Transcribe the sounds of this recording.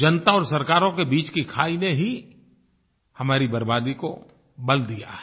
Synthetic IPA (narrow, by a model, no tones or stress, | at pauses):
d͡ʒɐnt̪aɔːɾsɐɾkaːɾõkebiːt͡ʃkikʰaːineɦi | hɐmaːɾibɐɾbaːd̪iko | bɐld̪ija̰ɦɛ